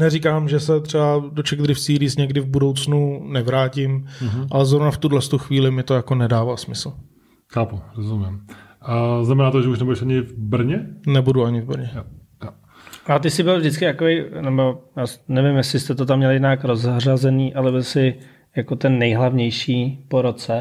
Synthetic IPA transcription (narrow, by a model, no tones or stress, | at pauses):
nɛrikaːmʒɛsɛt̪r̥ɛbadot͡ʃɛɡd̪ɾɪfsiːɾiːsɲɛɡdɪvbudo̞wt͡snunɛvɾaːcɪmʔalɛzɾovnaft̪udlɛst̪uxviːlɪmɪt̪o̞jakonɛdaːvaːsmɪsl̩ | xaːpuɾozumɪm | znamɛnaːt̪oʒɛuʃnɛbudɛʃaɲɪvbr̩ɲɛnɛbuduaɲɪvbr̩ɲɛ | j | at̪ɪsɪbɪlvdɪt͡skɪt̪akovejnɛbo̞jaːsnɛvɪmjɛsɪst̪ɛt̪ot̪amːɲɛljɛnakɾozrazɛniːʔalɛbɪlsɪ | jakot̪ɛnːɛjɦlavɲɛjʃiːpoɾot͡sɛ